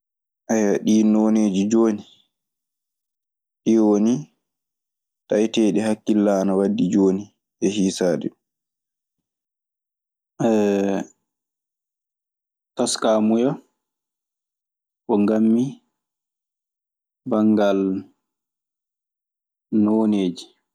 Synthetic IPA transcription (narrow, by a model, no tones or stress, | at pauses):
ʔajːaɗiːnoneːd͡ʒid͡ʒoːni | ɗiwoni | tajtɛːɗɛɦakːilːanawadːid͡ʒoːni | ʔɛhiːsaːdɛ | ʔɛ | taskamuja | ʔɔŋɡamːi | baŋɡal | noːneːd͡ʒi